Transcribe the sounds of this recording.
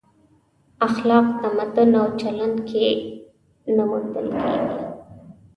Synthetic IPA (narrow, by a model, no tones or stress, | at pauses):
axlɑqt̪amad̪ʊnawt͡ʃaland̪kʰe | namund̪əlkʰḛɡi